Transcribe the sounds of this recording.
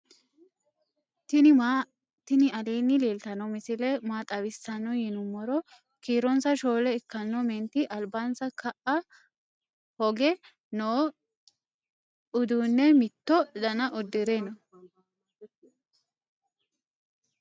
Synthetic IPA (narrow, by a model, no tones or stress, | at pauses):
tɪ | t̪ɪnɪɐliːnːɪleːlt̪ɐnɔmɪsɪlɛmaːt̪ʼɐwɪsɐnːɔjɪnʊmːɔɾɔ | kiːɾɔnsɐʃo̞ːlɛɪkːɐnːɔmɛnt̪ɪʔɐlbaːnsɐkʰɐʔɐ | hɔɡɛ | noː | ʊd̪uːnːɛmɪt̪ːɔd̪ɐnɐʔʊd̪ːɪɾenɐ